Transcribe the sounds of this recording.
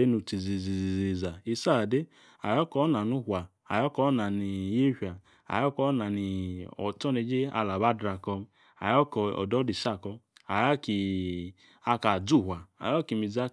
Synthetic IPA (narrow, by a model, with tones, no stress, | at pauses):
e˦nu˧ti˨zi˨zi˨zi˨zi˧za˨i˧sa˦˨de˦ | a˨jɔ˦kɔ˨˦na˨nu˦hʷa˨ | a˨jɔ˦kɔ˧˦na˨ni˨je˦ha˨ | a̰˨jɔ˦kɔ˦na˨ni˨ɔ̰˨tɔ˦ne˧˦d͡ʒe˦a̰˧la˨ba˦dɾa˧kɔ˧ | a̰˨jɔ˦kɔ˧ɔ̰˨dɔ˦di˨sa˦˨kɔ˧a˨ja˦ki˨ | a˧ka˨d͡zu˦˨ɦʷa˨a̰˨jɔ˦ki˨mi˨d͡za˦